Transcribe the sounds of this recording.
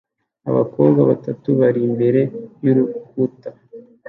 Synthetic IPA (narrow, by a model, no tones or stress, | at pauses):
a̰βa̰koːbɡaβatatuβaɾimbe̞ɾe̞juɾukuta